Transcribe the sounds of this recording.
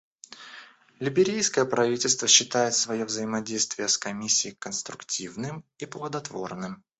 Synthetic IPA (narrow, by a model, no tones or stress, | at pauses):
lʲɪbʲɪɾʲejskəjəpɾɐvʲitʲɪlʲst̪vəɕːɪt̪ajɪt̪svɐjovzəjɪmɐdʲejst̪vʲɪjəskɐmʲisʲːɪːkənst̪ɾʊktʲivnɨmiplˠəd̪ɐt̪vo̞̰rnɨm